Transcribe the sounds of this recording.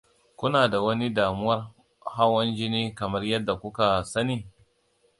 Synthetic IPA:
kʷʊ˦naː˨da˨wɐ˦ni˦daː˨mʊ˦wɐ˦r | ha˦wɐ˦nd͡ʒɪ˦niː˦kɐ˨mɐ˦rjɐ˦dːa˨kʷʊ˦ka˨sɐ˦niː˦

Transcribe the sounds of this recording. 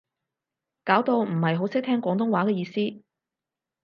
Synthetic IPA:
kaː˨˥wt̪o˧wm̩˨˩hɐ˨jɦo˨˥wsɪ˥k̚t̪ʰɛː˥ŋkʷwʷɔː˨˥ŋt̪ʊ˥ŋwaː˨˥kɛː˨˧jiː˧siː˥

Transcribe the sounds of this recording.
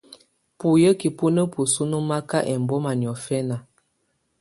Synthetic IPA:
pu˨jə˦ki˨pu˦nə˦pu˨su˦nu˦ma˦ka˦ʔɛ˨m˨bɔ˦ma˨njɔ˨fɛ˦na˨

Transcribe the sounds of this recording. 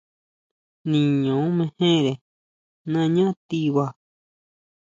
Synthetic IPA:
nĩ˨ɲõ˨˦mẽ˧hẽ˦˨ɾe˨ | nã˦˧ɲã˦t̪i˧βa˧

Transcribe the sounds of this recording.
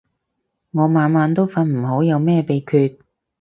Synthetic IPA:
ŋɔː˨˧maː˨˧nmaː˨˧nt̪̬o˥wfɐ˨˧nm̩˨˩ho˨˥wjɐ˨˧wmɛː˥˧pe˨˧jkʰyː˧t̚

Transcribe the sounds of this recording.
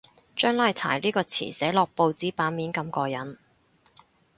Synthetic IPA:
t͡ʃœː˥ŋlaː˥jt͡sʰa̰ː˨˩jliː˥kɔː˧t͡sʰḭː˨˩sɛː˨˥lɔː˨k̚po˧wt͡siː˨˥paː˨˥nmiː˨˥nkɐ˧mkɔː˧jɐ˨˥n

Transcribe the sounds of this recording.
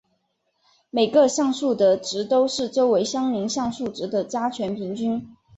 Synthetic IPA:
me˨˩ɪɡə˧ɕjɑ˥˧ŋʂu˥˩d̪ə˩ʈ͡ʂɻ̩˧˥t̪o˥ʊʂɻ̩˥˩ʈ͡ʂo˥ʊwe˧˥ɪɕjɑ˥ŋli˧˥ŋɕjɑ˥˧ŋʂu˥˩ʈ͡ʂɻ̩˧˥d̪ə˨t͡ɕja˥t͡ɕʰɥɛ˧˥npʰi˧˥ŋt͡ɕy˥n

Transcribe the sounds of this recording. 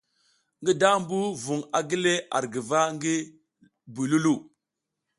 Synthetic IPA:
ŋɡi˦da˦mbu˦vu˨ŋa˨ɡi˦le˦a̰˨ɾɡi˨va˦ŋɡi˦ | bu˨lu˦lu˦˨

